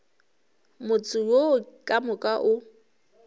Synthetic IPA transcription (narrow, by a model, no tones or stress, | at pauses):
mʊt͡sʼʊjokʼamʊkʼaʔʊ